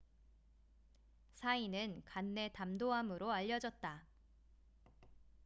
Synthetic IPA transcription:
sʰainɯnkanːe̞tamdoɦamɯɾoaʎːʌd͡ʑʌt̚t͈a

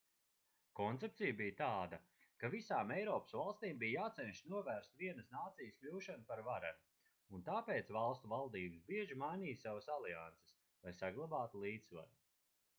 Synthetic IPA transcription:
kɔnt̪ept̪sijbijt̪aːd̪a | kavisaːmɛjɾɔːpə̥svalˠst̪iːmbijjaːt̪sɛnʃnuɔvæːɾst̪viɛnəsnaːt̪sijəsklʲuːʃanpaɾvaɾan | unt̪aːpeːt̪svalˠst̪uvalˠd̪iːbəsbiɛʒimajniːsavəsalˠia̰nt̪se̥s | lˠajsaɡlˠabaːt̪ulˠiːt̪sva̰ɾu

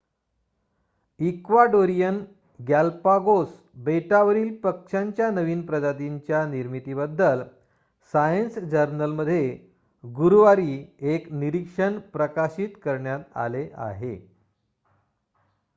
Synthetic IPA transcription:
ikʋaɖoɾijən | ɡalpaɡos | beʈaʋəɾiːlpəkʂaɲt͡ɕjanəʋiːnpɾəd͡ʑat̪̬iɲt͡ɕjaniɾmit̪iːbəd̪ːəl | sajənsd͡ʑəɾnəlməd̪ʱːje | ɡuɾuʋaɾiːekniɾikʂəɳpɾəkaɕiːt̪kəɾɳjat̪a̰leʔa̰ɦḛ

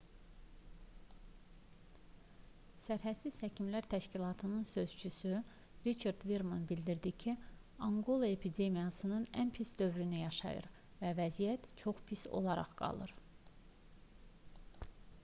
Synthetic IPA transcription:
sæɾɦæt̪siz̥hæcʰimlæɾt̪ʰæʃcilˠɑt̪ʰɯnɯnsø̞z̥t͡ʃʰysy | ɾit͡ʃʰɑɾd̪viɾmonbild̪iɾd̪icʰi | ɑŋɡo̞lˠoe̞pʰid̪e̞mijɑsɯnɯnænpʰisd̪ø̞vɾynyjɑʃɑ̰jɯ̰ɾ | vævæzijæt̪t͡ʃʰo̞χpʰiso̞̰lˠɑɾɑ̰ʁɡ̥ɑ̰lˠɯ̰ɾ

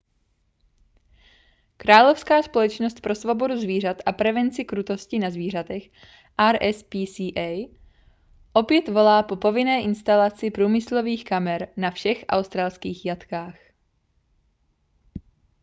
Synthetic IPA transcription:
kɾaːlo̞fskaːspo̞lɛt͡ʃnost̪̚pɾo̞svo̞bo̞duzviːr̝at̪ʔapɾɛvɛnt͡sɪkɾut̪o̞scɪnazviːr̝at̪ɛx | ʔaɾʔɛspiːsiːʔɛj | ʔopjɛt̪vo̞laːpo̞po̞vɪnɛːʔɪnst̪alat͡sɪpɾuːmɪslo̞viːxkamɛɾnafʃɛxʔa̰wst̪ɾaːlskiːxjat̪kaːx

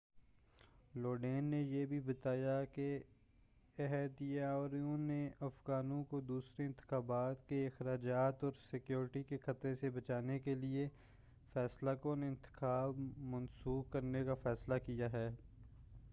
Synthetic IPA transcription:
loːɖeːnːejebʱibɐt̪aːjake | ɛɦɛd̪jaɾiõneɐfɣaːnõkod̪uːsɾeɪ̃nt̪ɪ̥xaːbaːt̪keɪxɾaːd͡ʒaːt̪ɔːɾsɪkjoːɾʈikexɐt̪ɾesebɐt͡ʃaːnekelie | fɛːslakoneɪ̃nt̪ɪ̥xaːbmɐnsuːkkɐɾnekafɛːslakijaɦɛː

